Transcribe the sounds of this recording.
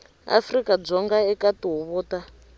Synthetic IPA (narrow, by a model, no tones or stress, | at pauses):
a̰frikad͡zɔŋɡaɛkatuɦuβɔːta